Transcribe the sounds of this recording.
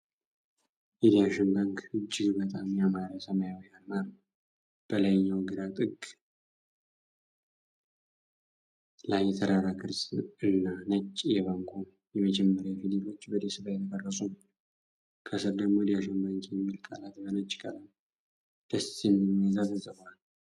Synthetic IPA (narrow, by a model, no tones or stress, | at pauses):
ʔɛd̪ijaʃɛnbaŋkɨd͡ʒːɪɡbət̪ʼamjamaɾəsəmajawjalmaɾ | b̥əlajɲːawɡɨd̪at̪ʼɨɡ | lajjːɛt̪ʰəɾaɾakʰɨɾsɨnːanət͡ʃʼːjɛβaŋɡʰo | jɛməd͡ʒɛmːəɾjafililo̞t͡ʃːbəd̪esɨβajɛt̪ʰəkʼərːəsʼum | kʰəsɨɾd̪əɡmod̪ijaʃɛnbaŋkjɛmːilkʼa̰lat̪bənət͡ʃʼːkʼələn | d̪̥əsinːɨmjəzat̪ɨzəβal